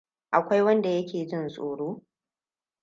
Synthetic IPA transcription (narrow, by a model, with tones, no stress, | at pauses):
ʔa˨kʷa˦jwɐ˦nda˨jɐ˦kʲʰeː˨d͡ʒɪ˦nsʼoː˨ɽoː˦